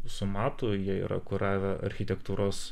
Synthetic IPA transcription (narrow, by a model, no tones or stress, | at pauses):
sʊmɑːt̪ʊjiɛḭɾɐ̰kʊɾɑːʋʲɛʔɐ̰ɾʲxʲɪt̪ʲɛkt̪uːɾoːs